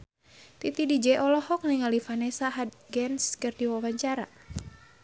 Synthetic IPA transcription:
t̪it̪idid͡ʒɛʔɔlɔhɔk̚niŋalifanɛsaɦad̪̚ɡɛnskɨrdiwawaɲt͡ʃaɾa̰

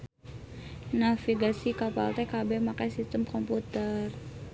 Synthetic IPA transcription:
nafiɡasikapa̰lt̪ɛkabɛmakajsist̪əmkɔmput̪ər

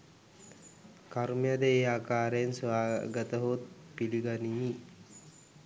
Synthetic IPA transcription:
kaɾmijad̪əeːaːkaːɾəjensʋaːɡət̪əɦot̪̚piliɡanimi

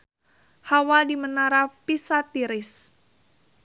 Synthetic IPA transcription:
hawadimənaɾapisat̪iɾɪs

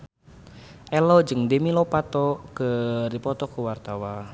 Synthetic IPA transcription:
ʔɛlɔd͡ʒɨŋdemilɔpat̪ɔkədipɔt̪ɔkəwart̪awa

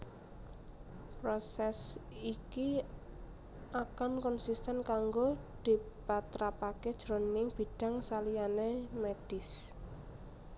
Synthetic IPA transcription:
pɾɔsɛsiki | akankɔnsist̪ɛnkaŋɡod̪̥i̤ | pat̪ɾapaked̥ʒ̥ɾo̤nɪŋb̥i̤ɖ̥a̤ŋsalijanemeɖ̥ɪs

